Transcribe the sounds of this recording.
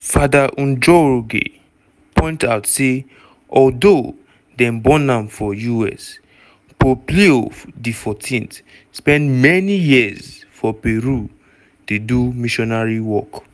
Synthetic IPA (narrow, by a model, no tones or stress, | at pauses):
fadaʔũnd͡ʒɔɹoɡḛ | pɔ̃ɪ̃ntaʊtse | ɔldo | dɛ̃mbɔ̃nãmfɔjuɛ̰s | popliodifɔtʰĩnt | spɛ̃ndmɛnijizfɔpeɹu | tedumiʃɔnaɹiwɔk